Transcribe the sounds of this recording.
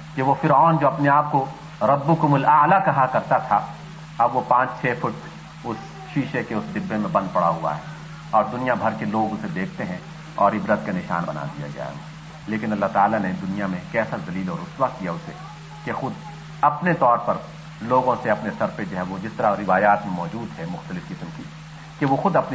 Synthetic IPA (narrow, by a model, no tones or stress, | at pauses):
keʋofɪɾɔːnd͡ʒoːɐpneaːp̚ko | ɾɐbːʊkʊmʊlaːlakɐɦakɐɾt̪at̪ʰa | ɐbʋopãːt͡ʃt͡ʃʰeːfʊʈ | ʊs | ʃiːʃekeʊsd̪ɪbːemẽbɐ̃nd̪̚pɐɽaɦua̰ɦɛː | ɔːɾd̪ʊnijabʱɐɾkeloːɡʊsed̪eːkʰt̪eɦɛ̃ | ɔːɾɪbɾət̪kanɪʃa̰ːnbɐna̰d̪ija̰d͡ʒa̰ːḛɡa | leːkɪnɐlːaɦt̪aːlaned̪ʊnijamẽkɛːsazɐliːlɔːɾʊswakijaʊsḛ | kexʊd̪ | ɐpnet̪ɔːɾpɐɾ | loːɡõseɐpnesɐɾfed͡ʒoɦɛʋod͡ʒɪst̪ɐɾaɾɪʋaːjaːt̪mẽmɔːd͡ʒuːd̪ɦɛmʊxt̪əlɪfkɪsmki | keʋoxʊd̪ɐpn